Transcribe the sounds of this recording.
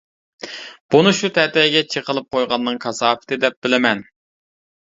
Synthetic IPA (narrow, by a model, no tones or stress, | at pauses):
b̥unɨʃut̪ʰɛt̪ɛɡʲɛt͡ʃʰəqəlˠɨp̚qʰojʁɑnːɨŋkʰɑsɑːfɪ̥t̪ɪd̪ɛp̚b̥ɪlɪmɛn